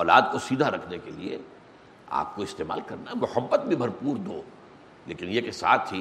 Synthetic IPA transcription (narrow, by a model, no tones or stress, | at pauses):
ɔːla̰ːd̪̚kosiːd̪ʱaɾɐkʰnekeliḛ | a̰ːp̚koɪst̪eːma̰ːlkɐɾnaɦɛmʊhəbːət̪̚bʱĩbʱɐɾpuːɾd̪o̰ː | leːkɪnjekesa̰ːt̪ʰi